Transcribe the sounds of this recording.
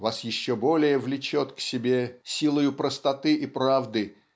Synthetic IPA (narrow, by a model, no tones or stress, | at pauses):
vasjɪɕːobo̞lʲɪjəvlʲɪt͡ɕot̪ksʲɪbʲesʲilˠəjʊpɾəst̪ɐt̪ɨʔipɾavd̪ɨ